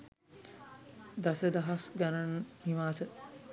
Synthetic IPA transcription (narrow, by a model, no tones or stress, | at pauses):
d̪asəd̪aɦasɡananhiʋaːsə